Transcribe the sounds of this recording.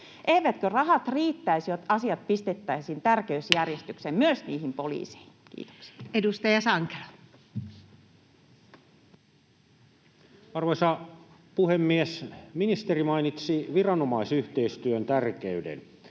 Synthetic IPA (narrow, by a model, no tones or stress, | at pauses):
ʔeiʋæt̪kørɑhɑt̪riːt̪ːæisjot̪ɑsiɑt̪̚pist̪et̪ːæisint̪ærkeysjærjest̪yksemmyøsnḭːhimpolḭːsi̥hinkḭːt̪o̥ksi̥edust̪ɑjɑsɑŋke̥lɑ | ɑrʋoisɑ | puhemːiesminist̪erimɑinit̪siʋirɑnomɑisyht̪eist̪yønt̪ærkeydḛn